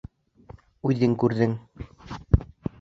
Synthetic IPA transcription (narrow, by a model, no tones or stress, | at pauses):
ʉðɘŋkʉɾðɘŋ